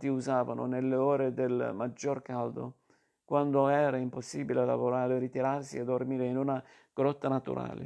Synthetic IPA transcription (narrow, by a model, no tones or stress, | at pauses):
t̪iuzaːvanʊ̰nelːeɔːɾed̪elmad͡ʒːɔrkald̪o̰ | kwand̪oɛːɾaimposːiːbilela̰voɾaːɾeɾit̪iɾarsḭɛd̪ormiːɾeinuna | ɡ̥ɾɔt̪ːanat̪ṵɾa̰ːlḛ